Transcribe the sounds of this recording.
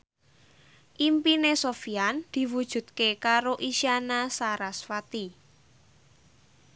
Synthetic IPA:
ʔimpinesofiand̪̥i̤wud̥ʒ̥ṳt̪̚kekaɾoʔisianasaɾasfat̪i

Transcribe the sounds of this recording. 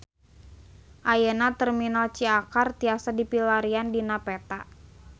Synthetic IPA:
ʔajənat̪ərminalt͡ʃiakart̪iasadipilaɾiandinapɛt̪a

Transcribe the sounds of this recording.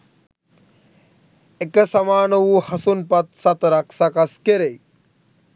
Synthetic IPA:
ekɐsɐmaːnɐwuhɐsunpɐt̪̚sɐt̪ɐɾɐksɐkɐskeɾej

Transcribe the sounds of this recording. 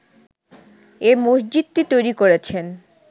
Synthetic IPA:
eɾmosd͡ʑid̪̚t̪it̪ojɾikoɾet͡ɕʰen

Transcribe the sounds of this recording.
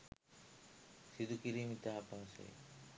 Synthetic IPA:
sid̪ukiɾimit̪aɦapasḛ

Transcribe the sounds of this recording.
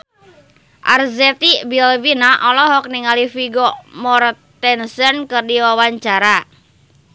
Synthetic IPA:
ʔa̰rzɛt̪ibilvinaʔɔlɔɦɔk̚niŋalifiɡɔmɔrt̪ɛnsənkɨrdiwawaɲt͡ʃaɾa

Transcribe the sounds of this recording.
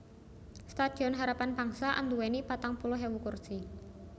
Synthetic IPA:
st̪ad̪̥i̤ɔnɦaɾapanb̥a̤ŋsaʔa̰nd̪uwenipat̪aŋpulɔɦewukursi

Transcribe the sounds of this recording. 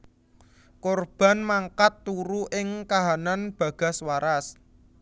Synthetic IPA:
korb̥a̤nmaŋkat̪ːuɾuʔɪŋkaɦananb̥ä̤ɡ̥a̤swaɾas

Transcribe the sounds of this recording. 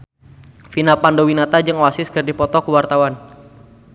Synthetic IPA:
finapandowinat̪ad͡ʒɨŋowasɪskərdipɔt̪ɔkuwart̪awan

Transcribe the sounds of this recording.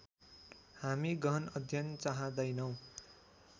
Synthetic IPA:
hamiɡʌnʌd̪ʱjʌnt͡saɦãd̪ʌjnʌw̃

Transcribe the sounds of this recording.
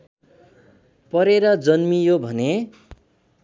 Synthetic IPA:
pʌɾeɾʌd͡zʌnmijobʱʌne

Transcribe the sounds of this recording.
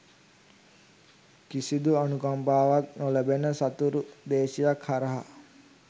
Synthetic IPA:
kisid̪uanukampaːʋak̚noləbenəsat̪uɾud̪eːsijakhaɾəɦa̰

